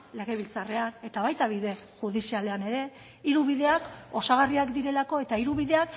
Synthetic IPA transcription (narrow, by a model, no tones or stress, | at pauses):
le̞ɣe̞β̞ilt͡sare̞ane̞t̪aβajt̪aβ̞iðe̞xuð̞isiale̞ane̞ɾe̞ | iɾuβið̞e̞ako̞saɣ̞ariakd̪iɾe̞lako̞e̞t̪aiɾuβiðe̞ak